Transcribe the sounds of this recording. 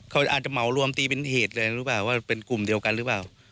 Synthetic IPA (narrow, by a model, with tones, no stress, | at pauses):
kʰa˧˥˩ʔaː˨˩t̪̚t͡ɕa˨˩ma˩˦wɾu˧əmt̪iː˧pe˧nheː˨˩t̪̚lɤː˧ɾɯ˦˥paː˨˩wːaː˥˩pe˧nku˨˩mdi˧əwka˧nɾɯ˦˥paː˨˩w